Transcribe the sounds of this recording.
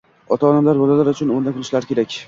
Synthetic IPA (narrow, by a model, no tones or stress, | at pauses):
ɒt̪ʰaɒd̪amlaɾɡozalaɾʊt͡ʃʰʊnʊnd̪akʰʊlˠɪʃlaɾɪkʲeɾakʲ